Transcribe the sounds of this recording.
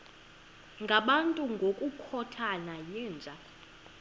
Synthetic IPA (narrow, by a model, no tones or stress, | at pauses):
ŋɡʱaɓantʼuŋɡʱokʼukʰɔtʰanajiːnd͡ʒʱa